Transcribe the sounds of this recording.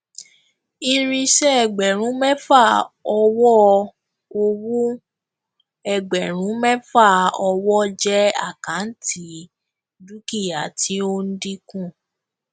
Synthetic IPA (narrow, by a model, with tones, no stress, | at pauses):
ĩ˧ɾĩ˧ʃɛ˦ɛ˦˨ɡ͡bɛ˨ɾ̃ũ˨˦mɛ˦fa˦˨ɔ˧wɔ˦ | o˧wũ˦ | ɛ˨ɡ͡bɛ˨ɾ̃ũ˨˦mɛ˦fa˦˨ɔ˧wɔ˦d͡ʒɛ˦a˦˨kã˨˦n̩˦tʰi˨˦ | du˦ki˦˨ja˨ti˨˦o˦n̩˦di˦kũ˦˨